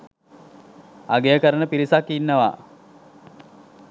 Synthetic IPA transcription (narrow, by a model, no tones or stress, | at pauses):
aɡejəkəɾənəpiɾisakːinːəʋa̰